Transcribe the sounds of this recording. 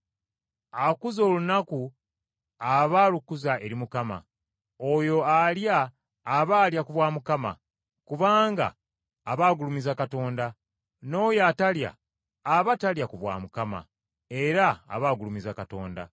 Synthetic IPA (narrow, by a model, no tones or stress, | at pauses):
akuzo̞ːlunaku | aβaːlukuzaʔe̞ɾimukama̰ | ojo̞aljaː | βaːljakuβwaːmukama̰ | kuβaːŋɡa̰ː | βaːɡulumizakato̞ːnda | no̞ːjatalja̰ː | βataljakuβwa̰ːmukama̰ | e̞ɾa̰ːβaːɡulumizakato̞̰ːnda̰